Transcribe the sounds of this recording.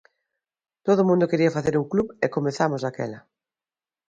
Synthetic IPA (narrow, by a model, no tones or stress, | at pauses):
t̪oðomũnd̪okeɾiɐfaθeɾuŋkluβekomeθamozakɛ̰lɐ